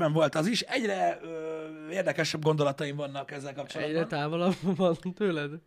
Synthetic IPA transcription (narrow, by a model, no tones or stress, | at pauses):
ɛɱvo̞lt̪ɒziʃɛɟrɛøeːrd̪ɛkɛʃɛbɡo̞nd̪olɒt̪ɒjimvɒnːɒkɛzːɛlkɒpt͡ʃoɛ̰ɟrɛt̪aːvolɒbvɒnt̪øːlɛd̪